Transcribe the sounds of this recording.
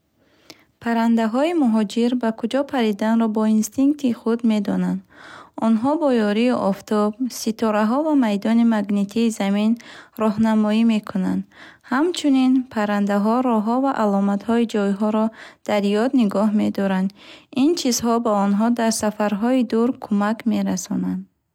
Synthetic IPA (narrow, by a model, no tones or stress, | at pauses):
pʰaɾand̪aɦɔimuɦɔd͡ʒiɾbakʰud͡ʒɔpʰaɾid̪anɾɔbɔinst̪iŋk̚t̪ʰiχud̪me̞d̪ɔnand̪ɔnɦɔbɔjɔɾiʔɔft̪ʰɔb̚sit̪ʰɔɾaɦɔvamajd̪ɔnimaɡnet̪ʰiːzaminɾɔɦnamɔime̞kʰuna̰nd̪hamt͡ʃʰuninpʰaɾand̪aɦɔɾɔɦɔvaʔalɔmat̪hɔid͡ʒɔjɦɔɾɔd̪̥aɾjɔd̪niɡɔɦme̞d̪ɔɾand̪int͡ʃʰizɦɔbaɔnɦɔd̪aɾsafaɾɦɔid̪uɾkʰumakme̞ɾasɔnand̪